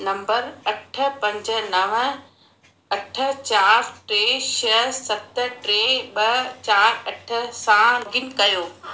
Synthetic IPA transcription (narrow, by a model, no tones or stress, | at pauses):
nɐ̃mbəɾɐʈʰə̆pɐ̃ɲd͡ʑə̆nɐʋ̆ | ɐʈʰə̆t͡ɕaːɾʈɾeːʃɐsɐt̪ʈɾeːɓɐt͡ɕaːɾɐʈʰə̆sãɡinkɐjoː